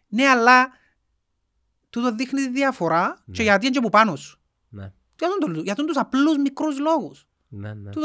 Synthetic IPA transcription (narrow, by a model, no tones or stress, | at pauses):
neɐlːɐ | t̪ut̪oðixnit̪iðiɐfo̞ɾɐt͡ʃeʝɐt̪̬iɐnɲd͡ʒepupɐnos | jɐt̪unt̪olujɐt̪unt̪usɐpluzmikɾuzloɣus | ut̪